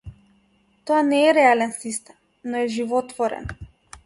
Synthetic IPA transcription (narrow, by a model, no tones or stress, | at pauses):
t̪oanɛːɾɛalɛnsist̪ɛm | nɔɛʒivɔt̪vɔɾɛ̰n